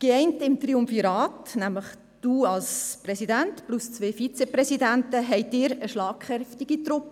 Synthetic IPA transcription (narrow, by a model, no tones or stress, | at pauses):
ɡ̥eɛɪntɪmt̪riʊmfiɾɑːtnæmləχ | d̥uːɑlsprɛsidæntplʊst͡sʋeːfit͡seprɛsidæntəɦɛɪdɪːɾəʃlɑːkχɛftiɡ̥it̪ɾʊpə